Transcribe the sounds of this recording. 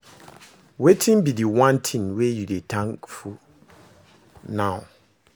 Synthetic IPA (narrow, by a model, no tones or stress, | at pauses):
wetʰĩmbidiwãntʰĩnwejudetʰãŋkfu | nãʊ